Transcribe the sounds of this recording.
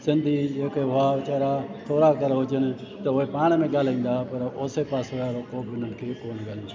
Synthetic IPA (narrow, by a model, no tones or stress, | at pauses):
sɪnd̪ʱiːd͡ʒeːkeɦʊaːʋɪt͡ʃaːɾaːt̪ʰoːɾaːkəɾʋəd͡ʒənt̪əoeːpaːɳ̃mẽːɡaːlĩːnd̪aːpəɾoːseːpaːsoaɾoːkoːʋɪnənkʰekoːnɡaːliː